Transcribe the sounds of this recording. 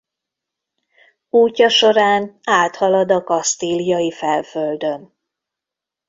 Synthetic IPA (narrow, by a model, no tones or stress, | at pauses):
uːcːɒʃo̞ɾaːnaːt̪hɒlɒd̪ɒkɒst̪ilijɒjifɛlføld̪ø̞n